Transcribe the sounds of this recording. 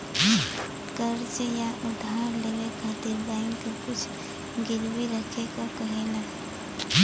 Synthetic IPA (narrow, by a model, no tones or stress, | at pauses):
kəɾt͡ʃjaʔʊd̪ʱaːɾlewekʰaːt̪ibaːɪnkekʊt͡ʃʰ | ɡɪlwiɾəkʰekakɐɦena